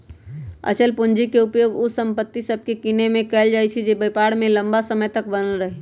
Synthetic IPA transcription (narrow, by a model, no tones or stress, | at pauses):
ə̰t͡ʃʰəlpʊnd͡ʒikeupjoːɡʊsə̃mpət̪ːisəb̚ʱkekinemẽkɛld͡ʒajt͡ʃʰid͡ʒebəjpaɽmẽləmbasəməjt̪ək̚bənəlɾəɦe